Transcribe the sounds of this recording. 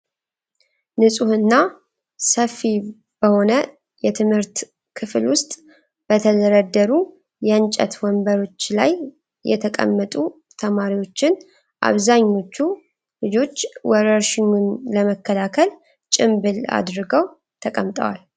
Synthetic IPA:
nɨsʼuhɨnːa | səfːi | b̥əho̞nə | jɛt̪ʰɨmhɨɾt̪ | kʰɨflwʊst̪ʼ | b̥ət̪ʰəd̪əɾəd̪ːəɾu | jɛənt͡ʃʼɛ̰t̪wɔmbəɾo̞t͡ʃːlaj | jɛ̰t̪ʰəkʼə̰mːət̪ʼu | t̪ʰəmaɾiwo̞t͡ʃːɪn | ʔa̰βzaɲːo̞t͡ʃːu | lɨd͡ʒo̞t͡ʃːwɔɾəɾʃɪɲːunləməkʰːəlakʰəl | t͡ʃʼɪmbɨla̰d̪ɾɨɡəw | t̪ʰəkʼəmt̪ʼəwa̰l

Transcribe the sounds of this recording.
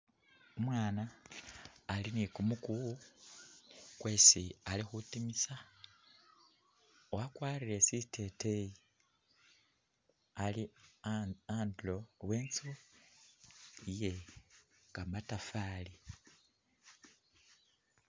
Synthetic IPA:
umwaːnaː | linikumuku | kwe̞ːsialixutimisa | owakwaːriɾe̞sitʰe̞teji | ali | aːndlo̞we̞ːnt͡su | ije̞ | kamatafaːli

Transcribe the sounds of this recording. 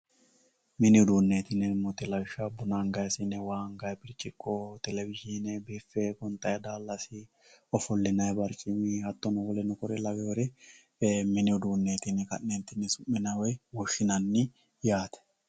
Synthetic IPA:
mɪnɪʊd̪uːnːeːt̪ɪnɛmɔt̪ɪlɐʃabʊnaŋɡɐjsɪnɛwaːŋɡɐjpɪɾt͡ʃʼːɪkʼːot̪ɛlɛbɪd͡ʒinɛbefekɔnt̪ʼɐjɐd̪aːlːɐsi | ɔfɔlːɪnɐjbɐɾt͡ʃʼɪmihɐt̪ːɔnɔfɔlɛnɔkɔɾɛlɐɡɐwɾɛ | mɪnɪʊd̪uːnːeːt̪ɪnɛkɐ̰nːeːnt̪ɪnːɪsʊmːɪnɐwɔjwɔʃːɪnɐnːɪ | jaːt̪ɛ̥

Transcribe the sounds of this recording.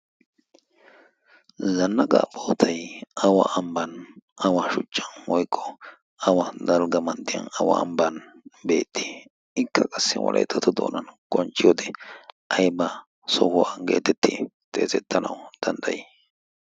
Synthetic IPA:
zɐnːɐɡa̰ːboːt̪ʰɐjɐwa̰ʔɐmbɐnɐwaʃʊt͡ʃʼːɐnwɔjkʰʼːɔ̥ | ɐwɐd̪ɐlɡɐmɐnt̪ːɪjɐ̰nɐwɐ̰ːmbɐn | be̞ːt̪ʰːi̥ | ɪkʰːɐkʼɐsːɪwɔ̰lʔɐ̰jt̪ʰːɐt̪ɔd̪o̰ːnɐnkʼɔnt͡ʃʼːɪjoːd̪ɛʔɐjba | sɔhʊwaɡeːt̪ɛt̪ːɪt̪ʰʼe̞̰ːzɛt̪ʰːɐnɐ̰wd̪̥ɐnd̪ɐjɛ

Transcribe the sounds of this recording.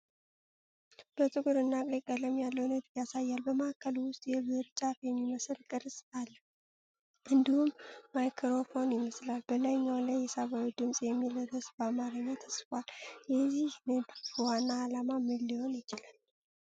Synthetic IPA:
b̥ət̪ʼɨɡuɾɨnːakʼləkʼːələmjalːəwnət̪asajːalbəməkʰːəlwʊst̪ʼjɛβɨɾt͡ʃʼafjɛmːiməslkʼɨɾsʼalːə | ʔɨnd̪ihumːajkʰɾo̞fo̞njɪməslalbəlajɲːawlajːɛsaβawid̪ɨmsʼjɛmːiləɾəsbamaɾəɲːat̪ʰəskʼʷaljɛzihnɨd̪wanːaːlamamɨlːiho̞njɪt͡ʃɪlal

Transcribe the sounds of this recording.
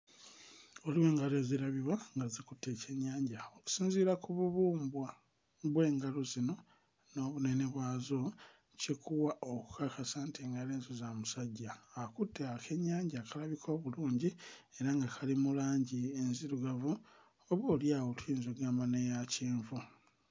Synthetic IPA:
oliwe̞ːŋɡaleziɾaβiβaŋɡazikutʰːe̞ce̞ɲːaːɲɟaoku̥siːnziːɾakuβuβuːmbwa | βwe̞ːŋɡaluzino̞ | no̞ːβune̞ne̞βwaːzo̞ | cekʰuwaʔoku̥kakasaːntʰeːŋɡaleːnzuzamusaɟːaːkutʰːeake̞ɲːaːɲɟaːkalaβikʰo̞ːβuluːɲɟie̞ɾaŋɡakʰalimulaːɲɟienziɾuɡavu | oβoːljaːwotwiːnzoɡaːmbanejaciːɱvu

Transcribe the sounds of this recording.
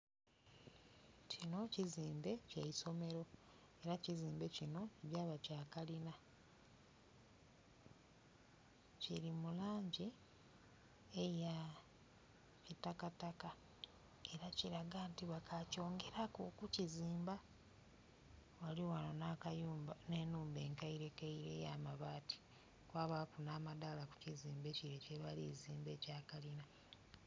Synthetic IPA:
cino̞ciziːmbe̞ceiso̞me̞ɾo̞e̞ɾaciziːmbe̞cino̞βaːβacaːkalina | ciɾimulaːɲɟi | eja | citakataka | e̞ɾaciɾaɡaːntiβakaco̞ːŋɡe̞ɾakokuciziːmba | waliwanonakane̞ːnuːmbe̞ːŋkaiɾe̞kaiɾe̞jamaβaːti̥ | kwaːβakunaːmadalaku̥ciziːmbe̞ciɾeceβaliziːmbe̞ːcaːkalina

